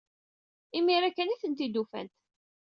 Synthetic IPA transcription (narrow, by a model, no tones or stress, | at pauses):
imiɾækːəniθənt̪id̪ufæ̰nt̪